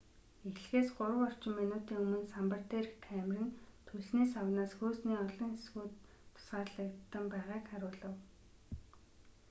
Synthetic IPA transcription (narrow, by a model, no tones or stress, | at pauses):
exɮɘ̆xeːsɢʊɾə̆wɔr̥t͡ɕɪ̆mːinʊːt̪iːŋɵmɵ̆nsampə̆r̥t̪eːrkʰæmrɘ̆nt̪ʰɵɮniːsawnaːsxoːsniːɔɮɞ̆ŋxesɡuːt̪ʰː | ʊ̥sɢaːrɮə̆k̚t̪ːə̆mpæːʁaːkχaɾʊːɮə̆w